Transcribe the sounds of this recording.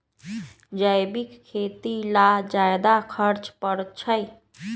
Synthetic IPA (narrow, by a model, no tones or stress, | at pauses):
d͡ʒəjbikkʰːet̪ilad͡ʒajd̪akʰəɾt͡ʃpəɾt͡ʃʰəj